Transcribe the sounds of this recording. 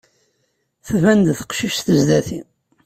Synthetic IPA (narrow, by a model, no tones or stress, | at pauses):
θvænd̪θə̥qʃiʃθəzd̪æθi